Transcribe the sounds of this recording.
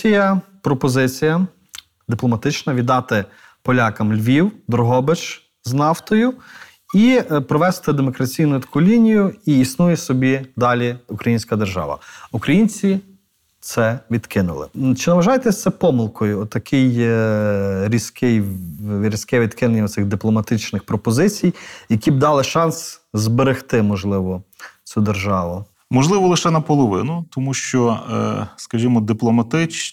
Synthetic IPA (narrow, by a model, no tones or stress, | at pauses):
ijɐpɾɔpɔzɪt͡sʲijɐ | d̪ɪplˠɔmɐt̪ɪt͡ʃnɐʋʲid̪ɑt̪ɪ | pɔlʲɑkɐmlʲʋʲiwd̪ɾɔɦɔbɪt͡ʃ | znɑwt̪ɔjʊ | ipɾɔʋɛst̪ɪd̪emɔkɾɐt͡sʲijnʊt̪ɐ̥kulʲinʲijʊiisnujɛsɔbʲid̪ɑlʲiukɾɐjinʲsʲkɐd̪eʒɑ̰ʋɐ̰ukɾɐjinʲt͡sʲi | t̪sɛʋʲid̪kʰɪnʊ̰lˠɪ̰t͡ʃɪnɐʋɐʒɑjet̪ɛsʲt̪sɛpɔmɪlˠkɔjʊɔt̪ːɐkʰɪj | ɾʲisʲkɪjʋʲɾʲisʲkɛʋʲid̪kɪnenʲːɐɔt̪sɪɣd̪ɪplˠɔmɐt̪ɪt͡ʃnɪxpɾɔpɔzɪt͡sʲijjɐkʲib̚d̪ɑlˠɪʃɑnszbeɾɪxt̪ɪmɔʒlˠɪʋɔt͡sʲud̪erʒɑʋʊ | mɔʒlˠɪʋɔlˠɪʃɛnɐpɔlˠɔʋɪ̰nʊt̪ɔmuʃt͡ʃɔ | skɐʒʲimɔd̪ɪplˠɔmɐt̪ɪt͡ʃ